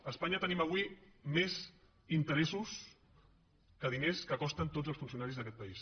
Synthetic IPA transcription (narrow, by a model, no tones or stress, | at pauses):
əspaɲət̪əniməβ̞wimez | int̪əɾɛsus | kəðineskəkɔst̪ənt̪od͡zəlsfunsiunaɾizðəkɛt̪̚pəis